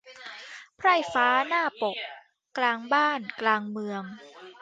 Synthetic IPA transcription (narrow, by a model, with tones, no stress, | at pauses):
pʰɾa˥˩jfaː˦˥naː˥˩po˨˩k̚ | klaː˧ŋbaː˥˩nklaː˧ŋmɯ˧əŋ